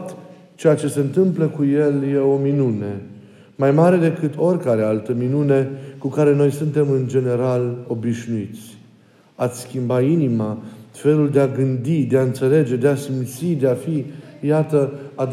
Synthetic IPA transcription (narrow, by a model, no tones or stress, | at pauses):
t̪ | t͡ʃe̞jat͡ʃe̞se̞ɨnt̪ɨmpləkuje̞lje̞o̞minune̞ | majmaɾe̞d̪e̞kɨt̪ʰo̞rʲkaɾe̞alt̪əminune̞kukaɾe̞no̞jsunt̪e̞mɨnd͡ʒe̞ne̞ɾalo̞biʃnuit̪sʲ | at̪sʲskʲimbainimafe̞luld̪eaɡɨnd̪id̪e̞aɨnt̪se̞le̞d͡ʒe̞d̪easimt̪sid̪e̞afijat̪əad̪